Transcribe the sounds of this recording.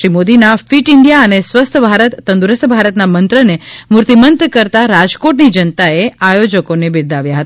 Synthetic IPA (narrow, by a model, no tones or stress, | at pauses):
ɾimod̪inafiʈɪɳɖijaənesʋəst̪ʰəbʱaɾət̪ːə̃nd̪uɾəst̪ʰəbʱaɾət̪namənt̪ɾənemuɾt̪imənt̪kəɾt̪aɾad͡ʒkoʈnid͡ʒənt̪aeajod͡ʒəkonebɪɾd̪ʱaʋjaɦət̪aa